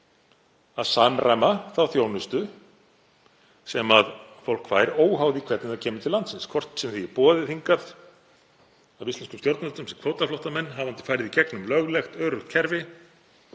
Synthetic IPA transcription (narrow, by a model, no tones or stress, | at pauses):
aðsaːmɾʔajmaθawθjownʏst̪ʏ | sɛmaðfowl̥kfaːjɾoːwɦawðɪikʰvɛt̪nɪðacʰɛːmʏt̪ɪlant̪sɪnskʰvɔr̥t̪sɛmθiɛɾpɔːðɪθiŋkaθ | avist̪ɛnskʏmst̪jowɾt̪nalt̪ʏmsɛmkʰvowt̪aflɔht̪amɛnːɦavant̪ɪ̥fajɾɪðicɛknʏmlœɣlɛxt̪œːɾʏxt̪kcʰɛɾvɪ